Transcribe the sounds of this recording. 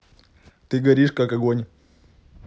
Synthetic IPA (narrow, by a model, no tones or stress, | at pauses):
t̪ɨɡɐɾʲiʂkakɐɡonʲ